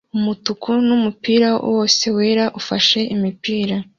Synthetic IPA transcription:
umutukʰunumupiːɾawʔo̞ːse̞we̞ːɾaʔufaʃe̞ʔimipiːɾa

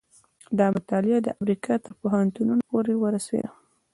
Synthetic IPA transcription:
d̪ɑmat̪ɑlɪad̪ə̰ʔamɾikɑt̪əɾpoɦant̪ununopoɾewəɾaswḛla

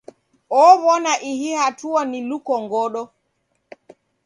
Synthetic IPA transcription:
ɔβɔnaʔihihatuanilukɔŋɡɔɗɔ

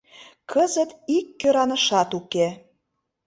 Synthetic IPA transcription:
kʰəzət̪ikːøɾɑnə̆ʃɑt̪uke

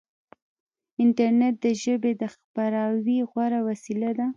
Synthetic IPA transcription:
ɪnʈaɾnet̪̚d̪əʒəbed̪əxpaɾɑwiɣwaɾawasilad̪a

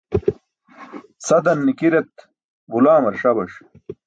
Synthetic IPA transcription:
sɐd̪ɐnːikiɾet̪ | bulaːmɐɾʂɐbɐʂ

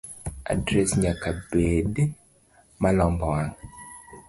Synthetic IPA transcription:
a̰dɾɛsɲakabed | malɔmbɔwaŋ

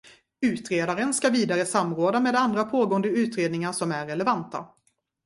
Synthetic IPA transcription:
ʉ̟ːt̪ɾeːd̪aɾənskaviːd̪aɾəsamɾoːd̪ameːd̪and̪ɾapʰoːɡoːənd̪əʉ̟ːt̪ɾeːd̪nɪŋaʂɔmæɾːɛlɛvant̪a̰

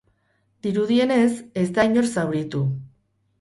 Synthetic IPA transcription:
d̪iɾuð̞ie̞ne̞se̞zd̪ajɲo̞ɾsawɾit̪u

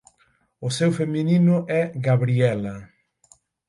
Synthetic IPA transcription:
ʊsewfemĩninʊʔɛɣaβɾiɛlɐ

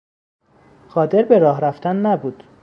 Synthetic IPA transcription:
ɢɒːd̪e̞ɾbe̞ɾɒːɦɾæft̪ænːæbuːd̪̥

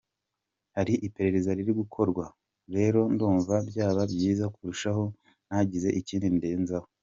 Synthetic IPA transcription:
haɾiʔipe̞ɾe̞ɾe̞zaɾiɾiɡukʰo̞ɾɡwa | ɾe̞ːɾo̞nduːɱvabjaːβabjiːzakuɾuʃaɦo̞ | naːɟize̞ʔiciːndinde̞ːnzaho

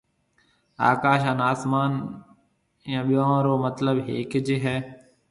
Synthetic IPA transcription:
a̰ːkaːʃ̬aːnaːsmaːn | jãːɓɪjãːɾoːmət̪ləbɦeːkd͡ʒeːɦɛː

